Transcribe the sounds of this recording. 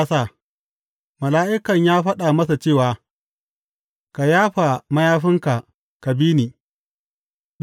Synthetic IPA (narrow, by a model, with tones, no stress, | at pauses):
sa˦˨ | mɐ˨laː˦ʔɪ˦kɐ˨ɲjaː˦ɸɐ˦ɗaː˨mɐ˦sa˨t͡ʃeː˦˨waː˨ | ka˨jaː˦ɸa˨mɐ˦jaː˦ɸɪ˦ŋka˨ʔ | ka˨biː˦niː˨